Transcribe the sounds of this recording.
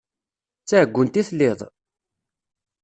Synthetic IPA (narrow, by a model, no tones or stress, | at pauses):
t͡sːæʕəɡʷːʊnt̪iθlːɪðˤ